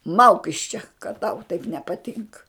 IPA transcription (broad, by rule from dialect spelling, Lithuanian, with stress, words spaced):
ˈmɐʊk ɪʃ t͡ʃʲɛ kɐt ˈtɐʊ tɐɪp nʲɛpɐˈtʲɪŋkɐ